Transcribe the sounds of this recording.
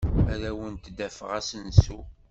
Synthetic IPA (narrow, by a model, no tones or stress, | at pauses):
æɾæwənt̪d̪æfəʁæsənsu